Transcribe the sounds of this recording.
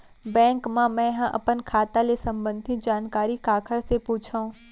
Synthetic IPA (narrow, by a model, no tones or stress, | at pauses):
bɛ̃ːŋkmãmɛ̃ɦãʔɐ̰pənkʰaːt̪alesɐ̃mbə̃nd̪ʱɪt̪d͡ʑaːnkaːɾikaːkʰəɽsepuːt͡ʃʰaũ